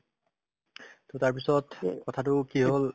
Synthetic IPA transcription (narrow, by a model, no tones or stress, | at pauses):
totaɹpisɔtkɔtʰatʊkiɦol